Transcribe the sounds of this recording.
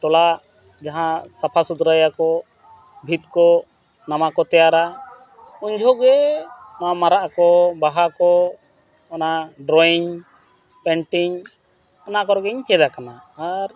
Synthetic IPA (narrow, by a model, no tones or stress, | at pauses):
ʈɔlaʔ | d͡ʒaɦãsapʰasud̪ɾajakɔ | bʱit̪kɔ | namakɔt̪ɛjaɾa | uɲd͡ʒʱɔɡɛnaamaɾaʔakɔbaɦakɔ | anaɖɾɔiɲ | pɛɳʈiɲ | anakɔɾɔɡɛɲt͡ʃɛd̪akanaːɾ